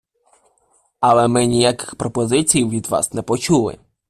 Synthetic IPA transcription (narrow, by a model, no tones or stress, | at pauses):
ɐlˠɛmɪnʲijakɪ̥xpɾɔpɔzɪt͡sʲijwʋʲid̪ʋɑ̰snɛpɔt͡ʃulˠɪ̰